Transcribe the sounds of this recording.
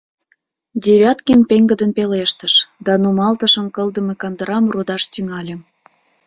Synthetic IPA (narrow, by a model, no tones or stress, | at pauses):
dʲeβʲɑt̪kinpeŋɡə̆d̪ənpeleʃt̪ə̆ʃd̪ɑnumɑlt̪ə̆ʃə̆mkə̆ld̪ə̆mekɑnd̪əɾɑmrud̪ɑʃt̪yŋɑlʲĕm